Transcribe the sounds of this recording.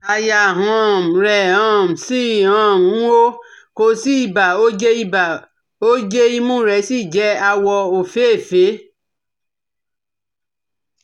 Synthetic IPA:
a˧ja˧˨ɦɔ̃˧˦˨m̩˨ɾɛ˨ã˦˨m̩˨si˦˨ã˨˦˨ũ˨˦o˦ | ko˧si˦i˦˨ba˨o˦d͡ʒe˦i˧˦ba˨ | o˦d͡ʒe˦i˦mũ˦˨ɾɛ˧˦si˦˨d͡ʒɛ˨˦a˧wɔ˧o˨fe˦˨fe˨˦

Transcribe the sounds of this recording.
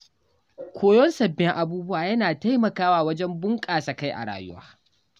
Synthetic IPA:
kʷʰoː˦jɔ˦nsɐ˨bːɪ˦ŋʔa˨buː˦bʊ˦waː˨jɐ˦naː˨ta˦jmɐ˨kaː˦waː˦˨wɐ˦d͡ʒɛ˦mbʊ˦ŋkʼaː˨sa˨ka˦jʔa̰˨ɽa̰ː˨jʊ̰˦wa̰ː˦

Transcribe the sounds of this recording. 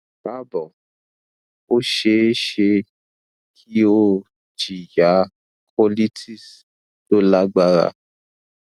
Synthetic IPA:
ba˦bɔ˨ | o˦ʃe˧˦ʃe˧ | kʰi˦o˦ | d͡ʒi˨ja˨˦ | kʰɔ˦li˦tʰi˦s | do˦la˦ɡ͡ba˦ɾa̰˧˨

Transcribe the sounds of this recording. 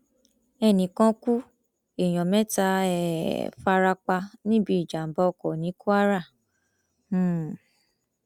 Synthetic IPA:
ɛ˧˨nĩ˨kã˧˦ku˦ | e˨j̃ɔ̃˨mɛ̃˦ta˧ɛ˨fa˧ɾa˧k͡pa˧nĩ˦bi˦i˨d͡ʒa˨m̩˨ba˧ɔ˧kɔ˨nĩ˨˦ku˦a˦ɾa˦˨˦

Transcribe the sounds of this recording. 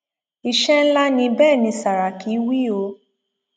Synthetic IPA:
i˨ʃɛ˦n̩˦la˦nĩ˧bɛː˦˨nĩ˧sa˨ɾa˨ki˨˦wi˦˨o˧˦

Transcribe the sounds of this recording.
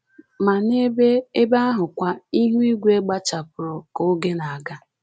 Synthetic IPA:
ma˨ne˦be˦e˦ba˦a˦ɦʊ˨kʷa˦i˦ɦu˦i˦ɡʷe˦ɡ͡ba˦t͡ʃa˨pʊ˨ɾɔ˨ko˦ɡe˦na˨a˨ɡa˦

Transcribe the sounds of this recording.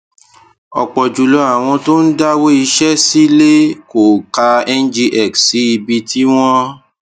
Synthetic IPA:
ɔ̰˨k͡pɔ˨d͡ʒu˨lo˨˦a˨w̃ɔ̃˧to˦n̩˦da˦wo˦i˧ʃɛ˦si˦le˦ko˨ka˧ɛ˦n̩˦d͡ʒi˧ʔɛ˨kssi˨˦i˧bi˧tʰi˦w̃ɔ̃˦

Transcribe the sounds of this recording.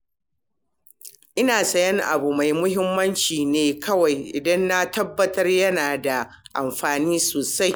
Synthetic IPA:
ʔɪ˦naː˨sɐ˨jɐ˦ŋʔa̰˨bu˨ma˨jmʊ˦hɪ˦mːɐ˦nt͡ʃiː˨neː˨kʰɐ˦wa˨jʔɪ˨dɐ˦nːa˦tɐ˦bːɐ˦tɐ˦rjɐ˦naː˨da˨ | ʔa˨mɸaː˨niː˦soː˨sa˦j

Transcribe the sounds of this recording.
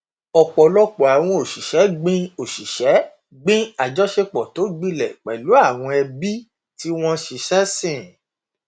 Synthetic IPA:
ɔ˨k͡pɔ˨lɔ˦k͡pɔ˨a˨w̃ɔ̃˧o˨ʃi˨ʃɛ˨˦ɡ͡bĩ˦o˨ʃi˨ʃɛ˨˦ | ɡ͡bĩ˦a˨d͡ʒɔ˨˦ʃe˧k͡pɔ˨to˨˦ɡ͡bĩ˦lɛ˨k͡pɛ˨lu˨˦a˦˨w̃ɔ̃˧ɛ˧bi˦ | ti˦w̃ɔ̃˦ʃi˧ʃɛ˦sĩ˦˨

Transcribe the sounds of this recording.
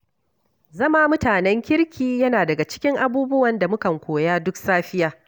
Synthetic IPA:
zɐ˦ma˦mʊ˦taː˨nɛ˦ŋkʲɪ˦ɽkʲʰiː˦jɐ˦naː˨dɐ˨ɡa˨t͡ʃɪ̥˦kʲɪ˦ŋʔa˦buː˦bʊ˦wɐ˨nda˨mʊ˦kɐ˨ŋkʷoː˨jaː˦dʊ˦ksaː˦ɸɪ˦jaː˨

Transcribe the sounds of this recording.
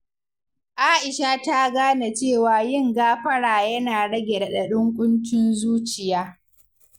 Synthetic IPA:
ʔaː˦ʔɪ˨ʃa˦˨ta˦ɡaː˦na˨t͡ʃeː˦˨waː˨jɪ˦ŋɡaː˦ɸɐ˦ɽaː˨jɐ˦naː˨ɽɐ˦ɡʲe˨ɾɗɐ˨ɗʊ˦ŋkʷʼʊ˦nt͡ʃɪ˦nzuː˦t͡ʃɪ˨jaː˦

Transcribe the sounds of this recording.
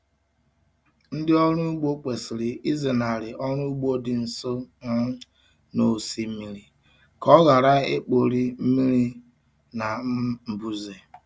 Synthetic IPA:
n̩˦dɪ˦ɔ˦ɾʊ˦ɡ͡bo˦k͡pe˨sɪ˨ɾɪ˨ʔi˦ze˨na˨ɾɪ˨ʔɔ˦ɾu˦u˦ɡ͡bo˦dɪ˨n̩˨so˦ | no˨si˦m̩˦mi˦ɾi˨ | kɔ˦ɣa˨ɾa˦ḛ˦k͡po˨ɾi˦m̩˦mi˦ɾi˦ | na˨˦m̩˨bu˦ze˨

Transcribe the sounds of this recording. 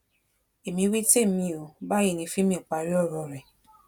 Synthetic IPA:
e˨mĩ˧we˦te˦˨mĩ˧o˨ba˦i˦˨nĩ˧˦fĩ˦mĩ˧˦ɔ˨k͡pa˧˨˧ɾi˦ɔ˦˨ɾɔ˧˨ɾɛ˨

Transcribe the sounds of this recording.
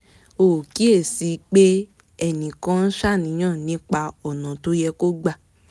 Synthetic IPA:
o˨ki˨˦e˦˨si˨˧k͡pe˦ | ɛ˧˨nĩ˨kã˦n̩˦ʃa˦˨nĩ˨˦ãː˦˨nĩ˨˦k͡pa˧ɔ˨nã˨to˦jɛ˧ko˦ɡ͡ba˧˨

